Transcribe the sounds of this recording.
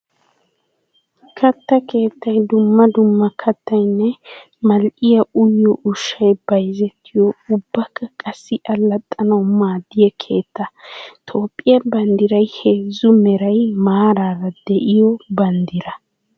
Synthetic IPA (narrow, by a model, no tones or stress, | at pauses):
kʰɐt̪ːɐkʰe̞ːt̪ːɐjd̪ʊmːɐd̪ʊmːɐkʰɐt̪ːɐjnːɛ | mɐlʔʼɪjɐʊjːɔʔʊʃːɐjb̥ɐjzɛt̪ːɪjɔʊbːɐkːɐkʼɐsːɪʔɐlːɐt̪ʼːɐnɐwmaːd̪ɪjɛkʰe̞ːt̪ːɐt̪ʰoːpʼːɪjɐbɐnd̪ɪɾɐjheːzʊmɛɾɐjmaːɾaːɾɐd̪̥ɛʔɪjɔbɐnd̪ɪɾɐ